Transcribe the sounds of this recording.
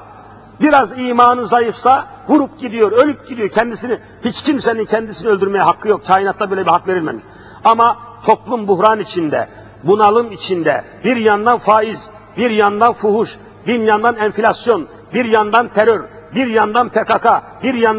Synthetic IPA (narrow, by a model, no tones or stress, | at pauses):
biɾaziːmaːnɯzajɯfsavuɾupɟid̪ijoɾø̞lʲyp̚ɟid̪ijo̞ɾcʰɛnd̪isini | hit͡ʃcʰimsɛnincʰɛnd̪isiniø̞lʲd̪yɾmɛjɛɦakʰːɯjo̞k̚cʰaːinat̪lˠabøːlʲɛbihakve̞ɾilʲmɛ̰miʃ | amat̪ʰo̞plˠumbuhɾanit͡ʃʰind̪ɛ̰ | bunalˠɯmit͡ʃʰind̪ɛ̰ | biɾjand̪anfaːiz | biɾjand̪anfuɦuʃ | binjand̪anɛnfilʲasjo̞n | biɾjand̪ant̪ʰɛɾøɾbiɾjand̪anpʰekakʰa | biɾjan